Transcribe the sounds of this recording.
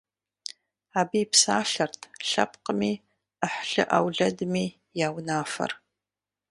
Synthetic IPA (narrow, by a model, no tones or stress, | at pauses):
aːbiːpsaːɬɐrtʰɬɐ̰p̚qəmiː | əħɬɨ̰ʔawɮɐdmiː | jaːwnaːfɐ̰r